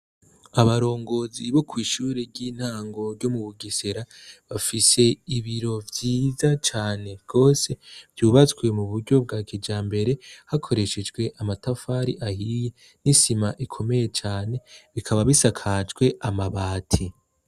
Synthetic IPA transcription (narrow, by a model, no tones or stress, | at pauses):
aβaɾo̞ːŋɡo̞ziβo̞kʰwiːʃuːɾeɾɟiːn̥haːŋɡo̞ɾɟo̞muβuɡise̞ɾaβafise̞iβiɾo̞vjiːzat͡ʃaːne̞ɡ̥o̞ːse̞vjuːβat͡swe̞muβuɾɟo̞b̚ɡaːkʰid͡ʒaːmbe̞ɾe̞hakʰo̞ɾe̞ʃed͡ʒɡwe̞ʔamatafaːɾḭʔahije | nisimaʔikʰo̞me̞je̞t͡ʃaːne̞βikʰaβaβisakʰad͡ʒɡwe̞ʔamaβaːtʰi